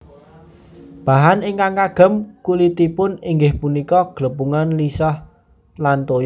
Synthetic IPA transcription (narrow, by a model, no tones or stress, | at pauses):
b̥a̤ɦanɪŋkaŋkaɡ̥ə̤mkulit̪ipʊniŋɡɪhpunikɔɡ̥ləbuŋanlisɔh | lant̪ojɔ